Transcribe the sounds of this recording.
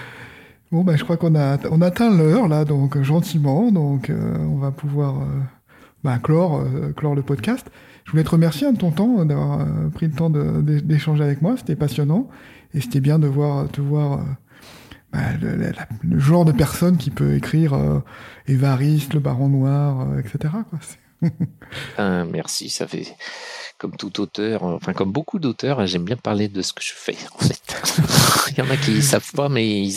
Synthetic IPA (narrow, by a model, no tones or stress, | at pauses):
bɔ̃baʒəkχwakɔ̃naɔ̃nat̪ɛ̃lœʁlad̪ɔ̃kʒɑ̃t̪imɑ̃d̪ɔ̃kø̰ɔ̃vapuvwaʁø | baklɔʁøklɔʁləpɔd̪kast̪ | ʒəvulɛt̪əʁəmɛʁsjeɑ̃t̪ɔ̃t̪ɑ̃d̪avwaʁø̰pχilət̪ɑ̃d̪əd̪ed̪eʃɑ̃ʒeavɛkmwase̥t̪ɛpasjɔnɑ̃ | ese̥t̪ɛbjɛ̃d̪əvwaʁət̪əvwaʁø̰ | ba̰lə̰l̰laləʒɑ̃ʁd̪əpɛʁsɔnkʲipø̰ekχiʁø̰levaʁist̪ləbaʁɔ̃nwaʁøɛkset̪eʁakwasɛ̥ | amɛ̰ʁsḭsa̰fɛ̰ | kɔmt̪ut̪ot̪œːʁɑ̰̃fɛ̃kɔmbokʰud̪ot̪œʁɛʒɛmbjɛ̃paʁled̪əsə̥kə̥ʒ̥əfɛ̰ɑ̃fɛt̪ | jɑ̃nakʲisavpamɛi